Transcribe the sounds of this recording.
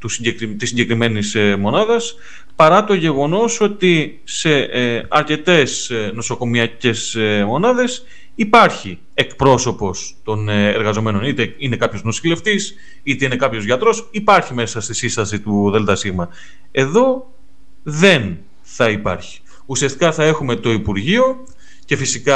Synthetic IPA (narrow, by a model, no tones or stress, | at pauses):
t̪usiɟekɾt̪isːiɲɟe̞kɾime̞nismo̞nɐðɐs | pɐɾɐt̪o̞ʝe̞ɣo̞no̞so̞t̪i | se̞ɐɾce̞t̪e̞sno̞so̞ko̞miɐce̞smo̞nɐðe̞s | ipɐɾçi | e̞kpɾo̞so̞po̞s | t̪o̞neɾɣɐzo̞me̞no̞nit̪eine̞kɐpço̞znosile̞ft̪is | it̪e̞ine̞kɐpço̞zʝɐt̪ɾo̞sipɐɾçime̞sɐst̪isinst̪ɐsit̪uðe̞lt̪ɐsiɣmɐ | e̞ðo̞ | ðe̞n | θɐipɐ̰ɾçi̥ | usiɐst̪i̥kɐθɐe̞xume̞t̪o̞ipuɾʝio̞ | ce̞fisikɐ